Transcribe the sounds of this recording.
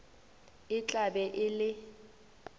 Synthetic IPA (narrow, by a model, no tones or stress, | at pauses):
ɪt͡ɬʼabɛʔɪlɪ